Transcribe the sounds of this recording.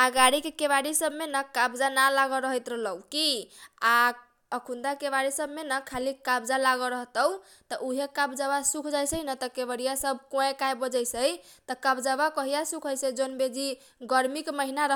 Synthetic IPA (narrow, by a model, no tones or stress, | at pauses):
aɡaɾikekeβaɽisəbʱmenakabd͡ʒanalaɡɔɾəɦət̪ɾəɦləukia | əkʰund̪akeβaɾisəbmenakʰalikabd͡ʒalaɡəɾəɦt̪əw | t̪ɔʔuɦekabd͡ʒabasukʰd͡ʒajsəjnət̪əkebəɽijasəbʱkõẽkajbəd͡ʒəjsəjt̪ɔkabd͡ʒabakəɦijasukʰɦəjsəd͡ʒonbed͡ʒi | ɡəɾmikməɦinaɾə